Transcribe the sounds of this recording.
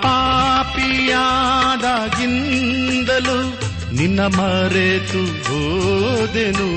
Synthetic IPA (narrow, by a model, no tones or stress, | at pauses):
paːpijaːd̪aːɡind̪ɐlu | ninːɐmɐɾet̪uɦoːd̪enu